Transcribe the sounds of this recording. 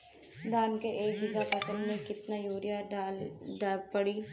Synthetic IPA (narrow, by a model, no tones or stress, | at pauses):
d̪ʱaːnkeʔeːk̚bɪɡapɐsə̃nd̪mẽkɪt̪najoːɾjaaːlɖaːlpɐɽi